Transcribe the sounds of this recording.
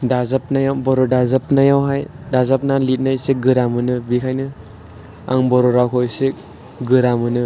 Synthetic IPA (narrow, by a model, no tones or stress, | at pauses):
dazap̚najawbɔɾɔdazap̚najawɦajdazap̚nalit̚najsek̚ɡɯɾamɯnɯbikʰajnɯ | a̰ŋbɔɾɔɾakʰɔjsek̚ | ɡɯɾamɯnɯ